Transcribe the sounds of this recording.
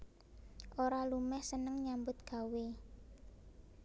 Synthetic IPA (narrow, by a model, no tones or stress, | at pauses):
ʔoɾalumɛhsənəŋɲambʊt̪̚ɡ̥a̤we